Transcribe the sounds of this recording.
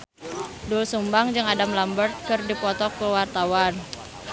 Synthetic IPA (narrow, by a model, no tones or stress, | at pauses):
dulsumbaŋd͡ʒɨŋadamlambərt̪̚kɨrdipɔt̪ɔkːəwart̪awan